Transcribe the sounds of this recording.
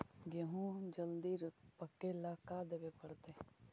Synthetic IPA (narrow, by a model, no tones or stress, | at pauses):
ɡəɦũd͡ʒəld̪iɾpəkːelakad̪eʋepəɽt̪e